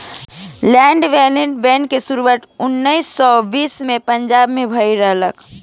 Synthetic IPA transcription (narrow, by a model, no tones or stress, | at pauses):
lɛ̃ːɳɖʋɛːliɖbɛnkesuɾuwaːt̪ʊnːəisːɔbiːsmẽpəɲd͡ʒaːbmẽbʱəiɾəɦlək